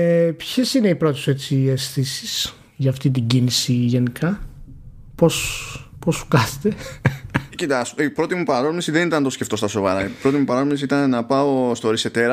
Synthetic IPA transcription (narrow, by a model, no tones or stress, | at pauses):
epçesine̞ipɾo̞t̪ese̞t͡siesθisis | ʝɐːft̪it̪iɟinisiʝe̞nikʰɐ | po̞spo̞su̥kɐse̥t̪e̞ | cit̪ɐsipɾo̞t̪imupɐɾomisiðe̞nit̪ɐnt̪osceft̪o̞st̪ɐso̞vɐɾɐipɾo̞t̪imupɐɾɐzmesiit̪ɐnenɐpɐost̪o̞ɾise̞t̪eɾɐ